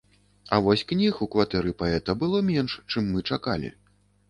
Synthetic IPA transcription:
ɐvɔsʲknʲixukvat̪ɛɾɨpaɛt̪ɐbɨlˠɔmʲɛnʂt͡ʂɨmːɨt͡ʂakalʲḭ

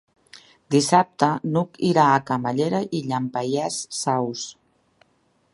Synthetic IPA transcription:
d̪isap̚t̪ənukiɾaːkamaʎeɾaʔiʎampajɛsːaws

